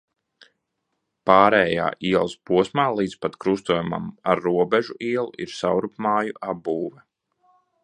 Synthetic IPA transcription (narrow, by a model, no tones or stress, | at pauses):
paːɾɛːja̰ːʔiɛlˠspuɔsmaːlˠiːd̪spat̪kɾust̪uɔjuma̰maɾːuɔbɛʒuʔiɛlˠuʔiɾsawɾupmaːjuʔabuːvɛ